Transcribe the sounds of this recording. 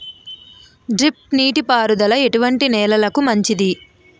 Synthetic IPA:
ɖɾip̚ʈniːʈipaːɾud̪ɐlɐe̞ʈuʋɐɳʈinɛːlɐlɐkumɐɲt͡ʃid̪i

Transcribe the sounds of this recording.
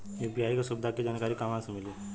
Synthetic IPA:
efbiɦaːikasʊbɪd̪ʱaked͡ʒaːnkaːɾikamãsemɪli

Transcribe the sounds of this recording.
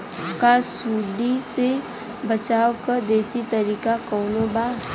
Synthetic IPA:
kasuːɖise | bət͡ʃaːwkɐɾd̪eːsit̪ɐɾiːkakɔːnoːbaː

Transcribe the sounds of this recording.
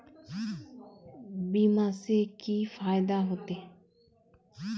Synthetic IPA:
biːmaːseːkiːfʰaːjd̪aːɦoːt̪eː

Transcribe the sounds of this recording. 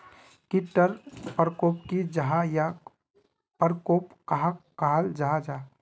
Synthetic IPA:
kiʈːəɾpəɾkoːpkid͡ʒəɦaja | pəɾkoːpkaɦakaɦald͡ʒaɦad͡ʒaː

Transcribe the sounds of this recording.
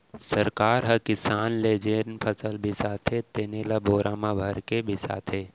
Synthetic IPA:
sɐɾkaːɾɦɐkɪsaːnleːd͡ʒeːɾnpʰəsəlbʱisaːt̪ʰɦet̪eːneːlaboːɾʔaːmabʱɐɾkebʱisa̰ːt̪ʰeː

